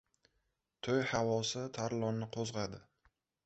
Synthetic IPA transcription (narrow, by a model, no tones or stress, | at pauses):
t̪ʰojhavɒsɪt̪ʰaɾlˠɒnːɪqʰozʁɑd̪ɪ